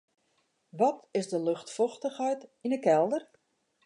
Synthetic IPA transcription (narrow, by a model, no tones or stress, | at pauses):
ʋɔtɪzdəlɵxtfɔxtəxhɛjtinəkɛlˠdər